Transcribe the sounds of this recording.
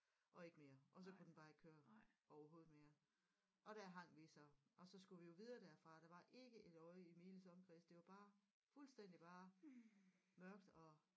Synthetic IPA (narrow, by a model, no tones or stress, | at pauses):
ʔɒ̽e̝ɡ̥əme̝ːɐʔɒ̽s̬ɒ̽kʰud̥en̩b̥ɑ̈ːe̝ɡ̥kʰøːɐɒʊɐɦo̝ːð̩ˠme̝ːɐ | ɒ̽ɾ̥æɐ̰ɦɑ̈ŋ̰ʋisɒ̽ɒ̽sɒ̽sɡ̥uʋijo̝ʋiðˠɐːd̥æɐ̰fʁɑ̈ɾ̥ɑ̈ʋɑ̈ʔe̝ɡ̥əʔe̝d̥ɒ̽ɪəime̝ːləsɒ̽mkʰʁiːsd̥e̝ʋɑ̈b̥ɑ̈ː | fulsd̥en̰d̥ib̥ɑ̈ː | mɶɐɡ̥d̥ɒ̽